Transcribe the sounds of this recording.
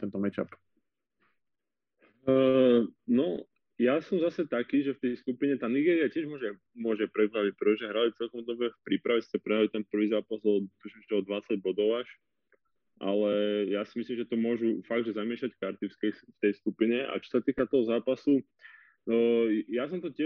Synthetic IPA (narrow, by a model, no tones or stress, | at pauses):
t̪ɛnt̪ɔmɛt͡ʃa̰p | nɔ | jasɔmzasɛt̪akiːʒɛft̪ɛjskupiɲɛt̪aːniɡɛːɾiacɪɛʒmʊɔʒɛ | mʊɔʒɛpɾɛpɾalic̚pɾɛt̪ɔʒɛɦɾalit͡sɛlkɔmd̪ɔbɛfpɾiːpɾaʋɛsi̥tɛpɾɛalit̪ɛnpr̩ʋiːzaːpazɔd̪ut̪uʃɛtɛɔd̪ʋat͡saɟ̚bɔd̪ɔʊaʃ | ʔa̰lɛjasimislimʒɛt̪ɔmʊɔʒufaɡ̚d̪ʒɛzamɪɛʃackaɾt̪iskɛft̪ɛjskupiɲɛa̰t͡ʃɔ̥sat̪iːkat̪ɔɦɔzaːpasu | jas̬ɔmt̪ɔcɪɛ